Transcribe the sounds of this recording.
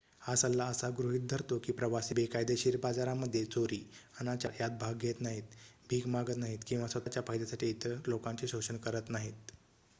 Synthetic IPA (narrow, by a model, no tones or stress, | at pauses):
hasəlːaəsaɡɾuɦit̪̚d̪ʱəɾt̪okiːpɾəʋasiːbekajd̪eɕiːɾbad͡zaɾamːəd̪ʱːjet͡soɾiːanat͡ɕajat̪̚bʱaɡʱːet̪naɦiːt̪̚bʱiːkmaɡət̪naɦiːt̪kĩw̃ʋasət̪at͡ɕjafajd̪jasaʈiːt̪əlokãɲt͡ɕiɕoɕənkəɾət̪naɦiːt̪̚